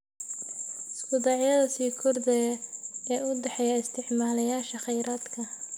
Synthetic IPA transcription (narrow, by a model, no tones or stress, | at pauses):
sbʊd̪ɑʕɪjɐðɐsiːkʰɔrd̪ɐjɐɛːʊɖɛħɛjɐɪst̪ʰɪʕmaːlɐjaːʃɐχɛjɾaːd̪kʰɐ